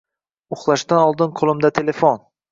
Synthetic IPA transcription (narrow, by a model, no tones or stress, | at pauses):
ʊχlˠaʃd̪anɒlˠd̪ɪnqʰolˠɪmd̪at̪ʰele̞fon